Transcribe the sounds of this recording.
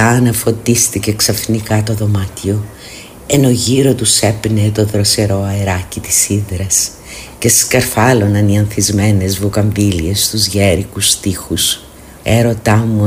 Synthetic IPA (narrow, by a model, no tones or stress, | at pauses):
ɐnɐfo̞t̪ist̪ice̞ksɐfnikɐt̪o̞ðo̞mɐt̪io̞ | eno̞ʝiɾo̞t̪use̞pnet̪o̞ðɾo̞se̞ɾo̞ɐeɾɐcit̪i̥siðɾɐs | ce̞skɐɾfɐlo̞nɐniɐnθizme̞ne̞zvukɐɱvilie̞st̪uzʝeɾikust̪ixus | e̞ɾo̞t̪ɐmu